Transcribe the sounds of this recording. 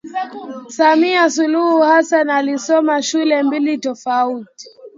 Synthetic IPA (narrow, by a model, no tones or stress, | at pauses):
samiasuluhuhasanalisɔmaʃulɛmbilitɔfauti̥